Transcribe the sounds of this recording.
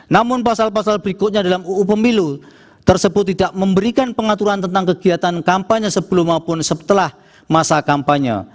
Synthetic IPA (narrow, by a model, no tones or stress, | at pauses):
namʊnpasalpasalbəɾikʊt̪̚ɲadalamuʔːpəmilu | t̪ərsəbʊt̪ːidaʔməmbəɾikanpəŋat̪uɾant̪ənt̪aŋkəɡ̥iat̪ankampaɲəsəb̥əlʊmapʊnsət̪əlah | masakampaɲə̰